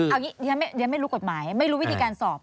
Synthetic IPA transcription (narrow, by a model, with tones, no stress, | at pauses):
a˨˩ŋiː˨˦˥ja˧ma˥˩jja˧ma˥˩jɾuː˦˥ko˨˩t̪̚maː˩˦jma˥˩jɾu˦˥wt̪ʰiː˧kaː˧nsɔː˨˩p̚